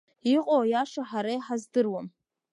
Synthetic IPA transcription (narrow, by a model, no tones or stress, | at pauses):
iqʼowjaʂaħaɾajħazdɨrwam